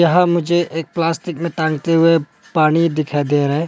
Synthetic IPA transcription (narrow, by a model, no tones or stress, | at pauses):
jɐɦãmʊd͡ʒʱeʔeːk̚plaːsʈɪkmẽʈãːŋɡt̪eɦʊe | paːñid̪ɪkʰaed̪eɾɐɦẽ